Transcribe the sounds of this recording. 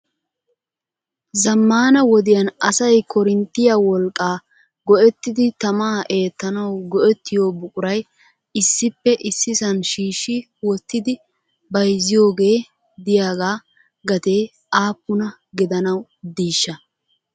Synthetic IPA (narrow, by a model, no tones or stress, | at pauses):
zɐmːaːnɐwɔd̪ɪjɐnɐsɐjkʰɔɾɪnt̪ːɪjawɔlkʼːaː | ɡɔʔɛt̪ːɪd̪ɪt̪ɐmaːʔe̞ːt̪ːɐnɐwɡɔʔɛt̪ːɪjo̞ːbʊkʼʊɾɐj | ɪsːɪpːɛʔɪsːɪsɐnʃiːʃːɪ | wɔt̪ːɪd̪ɪ | bɐjzɪjo̞ːɡe̞ː | d̪ɪjaːɡaː | ɡɐt̪e̞ː | ʔaːpːʊnɐ | ɡɪd̪ɐnɐwd̪iːʃːɐ